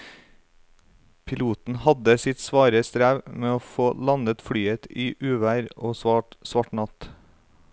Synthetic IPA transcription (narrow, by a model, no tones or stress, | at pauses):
pʰɪluːt̪n̩hɑd̪əsɪt̪sʋɑːɾəst̪ɾæːʋmeːoːfoːlɑnət̪fɽyːət̪iːʔʉːʋæːɾʔoːsɑʈsʋɑʈnɑt̪